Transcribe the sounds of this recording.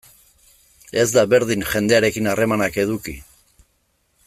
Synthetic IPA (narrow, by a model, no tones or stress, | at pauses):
e̞zd̪aβe̞ɾðiŋʝe̞nd̪e̞aɾe̞kinare̞manake̞ðuki